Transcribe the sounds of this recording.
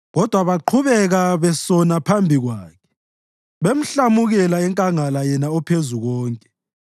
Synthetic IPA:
ɣɔd̥ʱwaβaǃʰuβɛɣaβɛsɔnapʰambʱiɣwaːkʰɛ̥ | βem̩ɬamuɣɛlaɛŋkʼaŋalajɛnaɔpʰezuɣɔːŋkʼɛ̥

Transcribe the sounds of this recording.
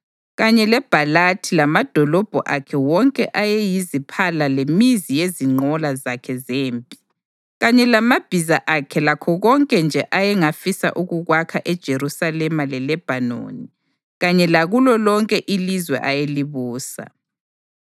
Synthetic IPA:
ɣaɲɛlɛb̥ʱalatʰilamad̥ʱɔlɔb̥ʱɔʔakʰɛwɔŋkʼɛʔajɛjizipʰalalemizijeziŋ͡ǃɔlazakʰɛzeːmbʼi̥ | ɣaɲɛlamab̥ʱizaʔakʰɛlakʰɔɣɔŋkʼɛnd͡ʒʱɛʔajɛŋafisa̰ʔuɣuɣwakʰaʔɛd̥ʒ̥ʱeɾusalɛmalɛlɛb̥ʱano̰ni | ɣaɲɛlaɣulɔlɔŋkʼɛʔilizwɛ̰ʔajeliβuːsa̰

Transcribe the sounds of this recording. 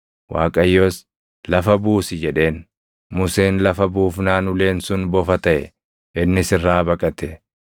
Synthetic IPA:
wa̰ːkʼɐjːoːs | lɐfɐbuːsɪd͡ʒɛᶑe̞ːn | mʊseːnlɐfɐbuːfnaːnʊle̞ːnsʊnbɔfɐt̪ɐʔɛ̰ | ʔɪnːɪsɪrːaːbɐkʼɐt̪ɛ

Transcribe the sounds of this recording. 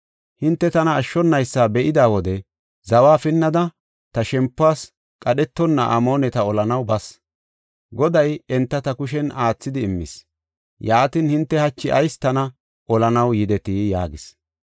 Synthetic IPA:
hɪnt̪ːɛt̪ɐnɐːʃːɔnːɐjsːaːbɛʔɪd̪aːwɔd̪ɛ | zɐwaːfɪnːɐd̪ɐ | t̪ɐʃɛmpːʊaːs | kʼɐɗɛt̪ːɔnːɐ̰ʔɐ̰mo̞ːnɛt̪ɐɔlɐnɐwbɐs | ɡɔd̪ɐjɛnt̪ːɐt̪ɐkʊʃ̬ɛnaːt͡sːɪd̪ɪːmːɪ̰s | jaːt̪inhɪnt̪ːɛhɐt͡ʃːɪʔɐ̰jst̪ɐnɐ | ʔɔlɐnɐwjɪd̪ɛt̪iːja̰ːɡɪs

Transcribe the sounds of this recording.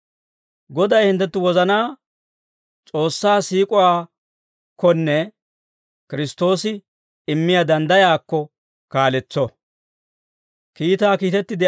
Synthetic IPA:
ɡɔd̪ɐjhɪnt̪ːɛt̪ːʊwɔzɐnaː | t͡sʼo̞ːsːaːsiːkʼʊwaː | kʰːɔnːɛ | kɪɾɪst̪o̞ːsɪ | ɪmːɪjad̪ɐnd̪ɐjaːkːɔ | kaːlɛt͡sːɔ | kiːt̪aːkiːt̪ɛt̪ːɪd̪ɪ

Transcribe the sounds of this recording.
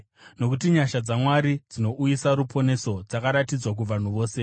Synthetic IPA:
no̞kutiɲaʃad͡zamwaɾid͡zino̞ʔujisaɾupʰo̞ne̞so̞d͡zakaɾatid͡zwak̬uʋan̤uʋo̞ːse̞

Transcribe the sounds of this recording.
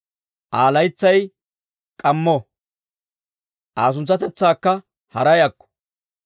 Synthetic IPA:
ʔaːlɐjt͡sːɐj | kʼɐmːɔ | ʔaːs̬ʊnt͡sːɐt̪ɛt͡sːaːkːɐ | hɐɾɐjɐkːɔ̥

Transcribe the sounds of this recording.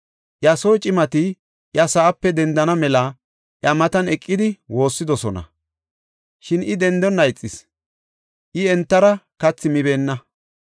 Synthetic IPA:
ʔjɐsoːt͡ʃʼɪmɐt̪ɪ | ʔjɐsaːpːɛd̪ɛnd̪ɐnɐmɛlɐ | ʔjɐmɐt̪ɐnɛkʼːɪd̪ɪwo̞ːsːɪd̪ɔsɔnɐ̰ | ʃɪnɪd̪ɛnd̪ɔnːɐjt͡sʼːɪs | ʔɪɛnt̪ːɐɾɐkɐt͡sːɪmɪbe̞ːnːɐ

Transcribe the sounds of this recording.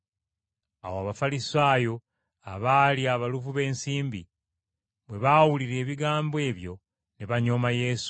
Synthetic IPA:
a̰woaβafalisaːjo̞ | aβaːliaβaluvuβe̞ːnsiːmbḭ | βwe̞βawuliɾe̞ːβiɡaːmboe̞ːβjo̞ | neβaɲo̞maje̞su̥

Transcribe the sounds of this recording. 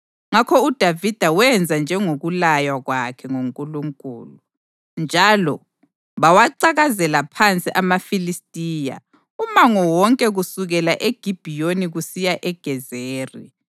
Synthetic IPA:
ŋakʰɔud̥ʱavid̥ʱawɛnd͡zʱand͡ʒʱɛŋoɣulajwaɣwakʰɛŋoŋkʼuluŋkʼṵːlu | nd͡ʒʱalɔ | βawaǀaɣazɛlapʰant͡sʼiʔamafilistʼiːja̰ | umaŋɔwɔŋkʼɛɣusuɣɛlaʔeɡ̥ʱib̥ʱijoniɣusijaʔɛɡ̥ʱɛzeːri

